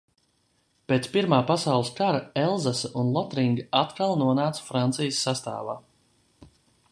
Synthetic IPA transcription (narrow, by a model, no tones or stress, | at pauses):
peːt̪spiɾmaːpasawlˠəskaɾaɛlˠzasaʔunlˠɔt̪ɾiŋɡaat̪kalˠnuɔnaːt̪sfɾant̪sijəsːast̪a̰ːva̰ː